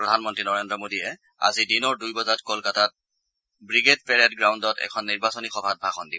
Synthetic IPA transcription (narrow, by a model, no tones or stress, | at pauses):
ɹɔdʱanmɔntɹinɔɹendɹɔmodiɛ | a̰zidinɔɹdujbɔzatkolkatat̚ | bɹiɡet̚pɛɹatɡɹawndɔtɛ̰kʰɔnːiɹbasonixɔbʱat̚bʱaxɔndibɔ